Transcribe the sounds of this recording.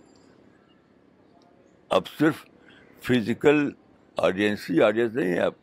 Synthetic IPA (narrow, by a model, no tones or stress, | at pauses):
ɐ̰bsɪɾf | fʰɪzɪkəl | a̰ːɖiənsiaːɖijə̃ns̬nɐɦĩɦɛ̰̃ɐb̚